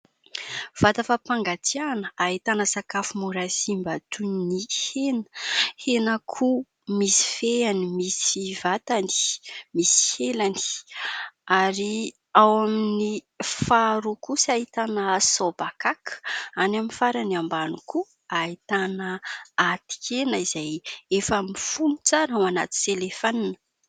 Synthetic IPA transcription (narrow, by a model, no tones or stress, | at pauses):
v̥at̪afapaŋɡat̪ianəait̪anəsakafumuɾasimbat̪unnihenə̥henəkʰu | misi̥feanimisivat̪ani̥misi̥helani̥ | aɾi | awamini | faɾukusait̪anəsobakakə̥anaminfaɾaniambanuku | ait̪anəat̪i̥kʲʰenəizajefəmifunut͡saɾawana̰t̪i̥selefaninə̥